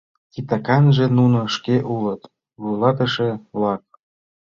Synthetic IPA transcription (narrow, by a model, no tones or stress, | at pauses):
kit̪ɑkɑnʒĕnunŏʃkeʔulə̆t̪ | βujlɑt̪ə̆ʃĕβlɑk̚